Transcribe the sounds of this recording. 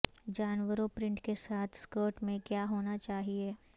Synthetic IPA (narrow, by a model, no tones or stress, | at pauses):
d͡ʒaːnʋəɾopɾɪ̃ɳʈkesaːt̪ʰskoːɾʈmẽkjaːɦoːnat͡ʃaːɦieː